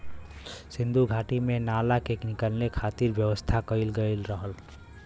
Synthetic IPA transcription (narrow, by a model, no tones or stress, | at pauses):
sĩnd̪ʱuɡʱaʈimenalakeknikəlnekʰat̪iɾbjəʋəst̪ʰakəɪlɡəɪlɾəɦəl